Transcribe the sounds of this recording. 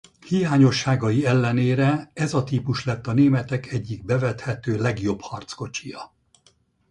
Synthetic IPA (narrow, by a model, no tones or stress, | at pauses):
hijaːɲo̞ʃːaːɡɒjiɛlːɛneːɾɛɛzɒt̪iːpuʃlɛt̪ːɒneːmɛt̪ɛkɛɟːiɡ̚bɛvɛt̪hɛt̪øːlɛɡjo̞bhɒrt̪sko̞t͡ʃijɒ